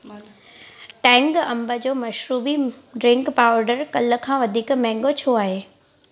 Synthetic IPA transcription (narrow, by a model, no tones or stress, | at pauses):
ʈɛ̃ːŋɡɐ̃mbəd͡ʑoːmɐʃɾuːbiɖɾɪ̃ŋkpaːʊɾɖəɾkɐlə̆kʰãːʋɐd̪ʱiːkmɛ̃ːŋɡot͡ɕʰoaːɦeː